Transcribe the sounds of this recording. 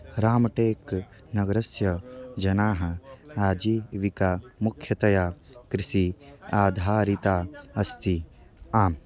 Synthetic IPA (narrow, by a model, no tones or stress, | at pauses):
ɾaːmɐʈeːk | nɐɡɾɐsjɐd͡ʒɐnaːɦɐaːd͡ʒiːʋikaːmukʰjɐt̪ɐjaː | kɾɪʃiaːd̪ʱaːɾit̪aːɐst̪i | aːm